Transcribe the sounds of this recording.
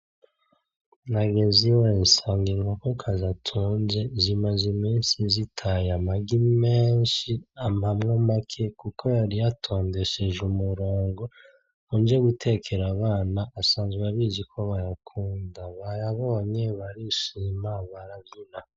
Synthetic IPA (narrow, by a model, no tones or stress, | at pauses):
naɡeziwensaːŋɡiŋɡokokʰazatʰuːnze̞zimazimiːnsizitʰajamaɡimeːnʃiamhamŋomakʰekukʰo̞jaɾijatʰo̞ːnde̞ʃe̞ʒumuɾoːŋɡo | und͡ʒeɡutʰe̞kʰe̞ɾaβaːnaːsaːnzɡaβiːzikʰo̞βajakʰuːndaβajaβo̞ːɲe̞βaɾiʃimaβaɾaɡina